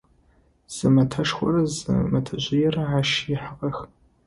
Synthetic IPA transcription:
z̥ɨmɐtʰɐʂxʷɔ̰rɐzɨ̰mɐtʰɐʒʷɪjɛrɐʕaːʃiħaqʼɐx

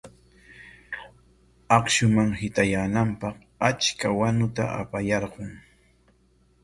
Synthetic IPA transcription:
ɑqʃʊmaŋhɪt̪ajaːnampɑq | at͡ʃkawanʊt̪a̰ʔa̰pajɑɾɢʊŋ

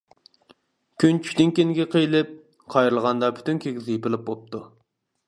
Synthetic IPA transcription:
kʲʰynt͡ʃʰy̥kʲd̪ynkʲenɪɡʲɛqʰəjlˠɪp̚ | qʰɑjɾɨlˠʁɑnd̪ɑpʰy̥t̪ynkʲʰeɡʲizɪjipɪlˠɪp̚bop̚t̪ʰu

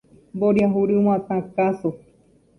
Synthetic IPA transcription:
boɾjaɦuɾɨmãt̪ãkaso

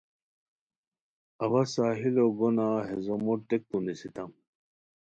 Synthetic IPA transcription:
ɐwɐsaːɦiloɡonaːɦezomot̪ek̚t̪unisit̪ɐm

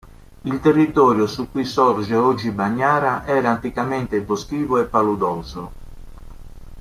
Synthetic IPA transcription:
ilt̪erːit̪ɔːɾjosukːuisɔɾd͡ʒeɔd͡ʒːibaɲːaːɾaʔɛːɾaːnt̪ikamɛnt̪ebosk̟iːvoɛpːalud̪ɔːzo

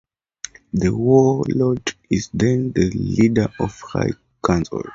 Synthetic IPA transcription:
ðəwɔlɔd͡ʒizðɛ̃ndəlidəɔfha̰j | kʰãnsɔ̰l

